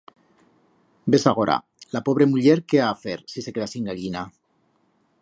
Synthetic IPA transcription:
be̞saɣ̞oɾa̰ | lapo̞β̞ɾe̞muʎeɾkeaːfeɾsiseke̞ðasiŋɡaʎina

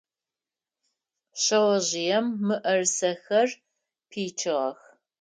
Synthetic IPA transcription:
ɕɐwɐʑɪjɛmːɨʔɐrsɐxɐr | pʰiːt͡ʃʰɨʁɐx

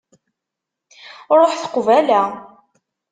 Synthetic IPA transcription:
ɾˤoħθə̥qvælæ

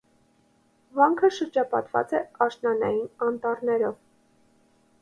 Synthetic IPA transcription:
vɑŋkʰəʃəɾd͡ʒɑpɑ̰t̪vɑ̰t͡sɛɑʃnɑnɑjinɑnt̪ɑrnɛɾɔv

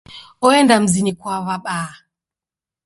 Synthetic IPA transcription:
ɔɛndam̩zinikwaβaɓa

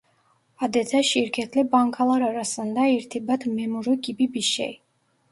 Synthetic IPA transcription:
ad̪ɛt̪ʰaʃiɾkʰɛt̪ʰlɛbaŋkʰalˠaɾaɾasand̪aiɾt̪ʰibat̪ʰmɛmuɾuɡibibiʃɛ̰j

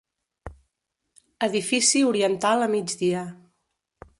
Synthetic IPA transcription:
əðifisiuɾiənt̪alˠəmid͡ʒdiə

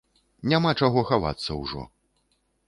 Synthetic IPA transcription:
nʲamat͡ʂaɣɔxava̰t̪sːɐwʐɔ̰

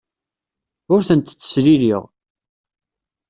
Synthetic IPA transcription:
ʊɾθənt̪t͡sːə̥sɾiɾiʁ

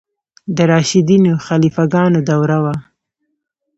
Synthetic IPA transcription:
d̪əɾɑʃid̪inoxalifaɡɑnod̪awɾawa

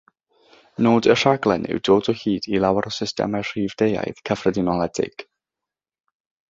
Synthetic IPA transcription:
noːdər̥aɡlˠɛ̰nɪ̰wdoːdɔhiːdilˠawaɾɔsɪstɛ̰mar̥iːvdeja̰jð̥kʰəfrədɪnɔlˠɛdɪ̰ɡ̥

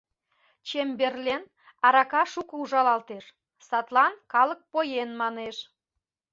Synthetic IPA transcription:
t͡ɕemberlen | ɑɾɑkɑʃukəuʒɑlɑlt̪eʃ | sɑt̪lˠɑnkɑlək̚pojenmɑneʃ

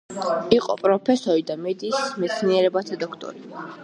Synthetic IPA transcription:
iqʼɔ̰pʼɾɔpʰɛsɔɾid̪amɛd̪iːsmɛt̪sʰniɛɾɛbat̪ʰad̪ɔkʰt̪ʼɔ̰ɾi

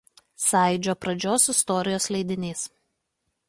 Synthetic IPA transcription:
sɑˑɪd͡ʒʲoːpɾɐd͡ʒʲoːsɪst̪ɔɾʲɪjoːslʲɛɪd̪ʲɪnʲeːs

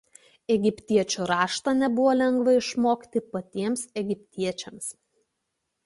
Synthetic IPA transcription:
ɛɡʲɪpʲt̪ʲiɛt͡ʃʲuɾɑːʃt̪ɑnʲɛbʊʋoːlʲɛŋɡʋɐɪʃmoːkʲt̪ʲɪpɐt̪ʲiɛmsɛɡʲɪpʲt̪ʲiɛt͡ʃʲɛms

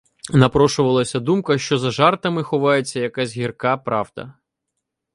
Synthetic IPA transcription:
nɐpɾɔʃʊʋɐlˠɐsʲɐd̪umkɐʃt͡ʃɔzɐʒɑrt̪ɐmɪxɔʋɑjet͡sʲːɐjɐkazʲɦʲirkɑpɾɑʋd̪ɐ̰

